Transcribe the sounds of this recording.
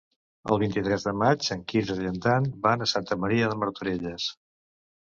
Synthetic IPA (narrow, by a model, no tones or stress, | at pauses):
ə̰lˠβ̞int̪it̪ɾɛzðəmat͡ʃəŋkizəʎənt̪anbanəsant̪əməɾiəðəməɾt̪uɾeʎəs